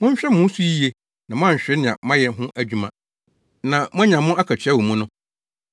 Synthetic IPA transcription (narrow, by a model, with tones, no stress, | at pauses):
mʊ̃˦ɲ̩˦ɕᶣɛ˦mʊ̃˦n̩˦su˦ji˦e˦ | nã˨mã˦˨ɕᶣɪ˨˦nɪ̃˨ã̰˨mã˦jɛ˨n˦ɦʊ̃˦ʔæ˦d͡ʑᶣu˨mã˨ | nã˨mʊ̃˦ɲã˨mʊ̃˦a˦kʰa˨t͡ɕʰᶣa˦wo˨mũ˦nʊ̃˦